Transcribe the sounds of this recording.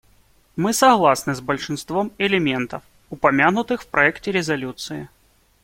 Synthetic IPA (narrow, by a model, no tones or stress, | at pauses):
mɨsɐɣlˠasnɨzbəlʲʂɨnst̪vomɪlʲɪmʲe̞nt̪əf | ʊpɐmʲanʊt̪ɨxfpɾʔɐɛktʲɪɾʲɪzɐlʲut̪sɨɪ